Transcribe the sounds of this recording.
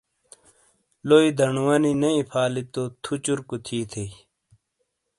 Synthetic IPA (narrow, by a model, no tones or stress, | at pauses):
loːid̪ʱɐɳuwɐninɐĩpʰaːlit̪ot̪ʰut͡ɕuɾkut̪ʰiːt̪ʰe